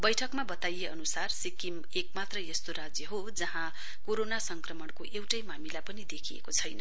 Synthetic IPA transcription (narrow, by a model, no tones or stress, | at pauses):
bʌjʈʰʌkmabʌt̪ajeʔʌnusarsikim | ekmat̪rʌjest̪oɾad͡zjʌɦo | d͡zʌɦã | koɾonasʌŋkrʌmʌɳkoʔewʈʌjmamilapʌnid̪ekʰiḛkot͡sʰʌjnʌ